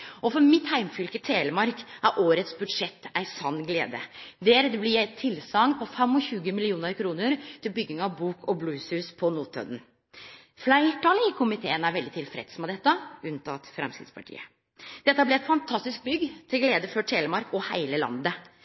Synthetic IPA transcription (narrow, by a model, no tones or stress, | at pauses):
ʔɔfɔɾmɪt̪hæɪmfʏlkət̪ʰeːləmɑɾkʔæɾʔoːɾət̪sbʉd̪ʂɛt̪ːæɪsɑnːɡlḛːd̪ə̰d̪eːɾd̪ɛblɪæɪt̪ʰɪlsɑŋpʰɔfɛmɔçʉːɡəmɪlɪuːnəɾkʰɾuːnəɾt̪ʰɪlbʏɡːɪŋɑʋbuːkʰɔbluːshʉːspʰɔnuːt̪ʰœ̰d̪n | flæɪʈɑləɪkʰʊmɪt̪ʰḛːənæɾʋɛld̪ɪt̪ʰɪlfɾɛ̰d̪smɛd̪ɛt̪ːəʉnt̪ʰɑ̰t̪fɾɛ̰mskɾɪ̰d̪spʰɑ̰ʈʰḭːə | d̪̥ɛt̪ːəhæblɪæɪt̪fɑnt̪ʰɑst̪ɪsk̚bʏɡt̪ʰɪlɡleːd̪əfɔʈʰeːləmɑɾkɔhæ̰ɪləlɑ̰nd̪ə